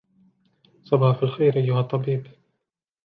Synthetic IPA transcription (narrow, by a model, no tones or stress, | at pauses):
sˤɑbɑħɑfalxajɾʔajːʊhɑt̪ˤːɑbiːb